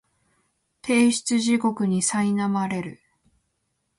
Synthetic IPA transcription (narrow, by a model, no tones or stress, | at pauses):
t̪ʰe̞ːɕi̥t͡sɨʑiko̞kɯ̟ɲ̟isainamaɾe̞ɾɯ̟